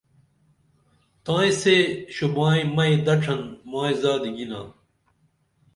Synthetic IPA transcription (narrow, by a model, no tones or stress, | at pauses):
t̪ãːĩseːɕubãːĩmɐid̪ɐʈ͡ʂʰɐnmaːizaːd̪iɡina̰ː